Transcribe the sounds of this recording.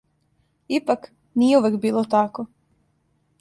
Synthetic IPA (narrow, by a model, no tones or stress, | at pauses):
ipak | niːjeuʋekbiːlˠot̪ako